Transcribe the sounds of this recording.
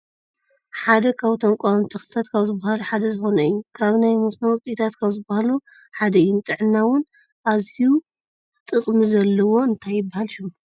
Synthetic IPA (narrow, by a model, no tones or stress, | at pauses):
ħad̪ɐkʰaβt̪ʰɐŋkʷʼamt̪ʰixɨ̥sat̪kʰaβzɨbːahaluħad̪ɐzɨxo̞nɐjːukʰaβnajmosnowt͡sʼit̪ʰat̪kʰaβzɨbahalu | ħad̪ɐɨjumt̪ʼɨʕɨnːawʊn | ʔaziju | t̪ʼɨχʼmizɐlːɐwo̞ɨnt̪ʰajːɪbːahalʃum